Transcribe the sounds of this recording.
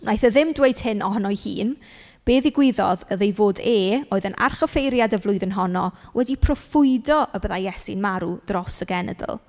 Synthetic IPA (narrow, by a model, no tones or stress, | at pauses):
najθəðɪmdwejd̥hɪnɔɦənɔjhḭːn | b̥eːðɪɡwɪðɔðəðejvoːdeːoːɨðənʔa̰rχəfejɾjadəvlˠʊɨðənɦɔnɔwʔɛdipʰrɔfʊɨdɔʔəbəðajɛsinmaɾud̥rɔsəɡɛnə̰də̰lˠ